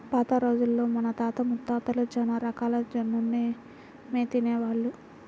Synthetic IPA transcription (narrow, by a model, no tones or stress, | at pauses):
paːt̪ɐɾo̞ːd͡ʒulːo̞ːmɐnɐt̪aːt̪ɐmut̪ːaːt̪ɐlud͡ʒɐnɐɾɐkaːlɐd͡ʒɐnːunːe | meːt̪ineːʋaːɭːu